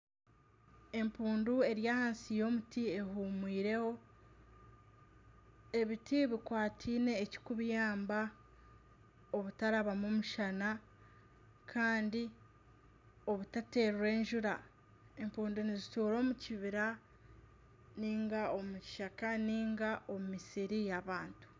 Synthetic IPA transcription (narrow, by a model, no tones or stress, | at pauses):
e̞mpuːndue̞ɾjaːhaːnsijo̞ːmutie̞ɦuːmwiːɾe̞ho̞ | e̞βitʰiβikwaːtʰiːne̞ːci̥kuβjaːmba | oβutaɾaβamomuʃana | kʰaːndi | o̞βutate̞ːɾuɾe̞ːɲʒuɾa | e̞mpuːndonizituːɾo̞ːmuciβiɾa | niːŋɡao̞muci̥ʃakaniːŋɡaʔo̞mumisiɾijaβaːntu̥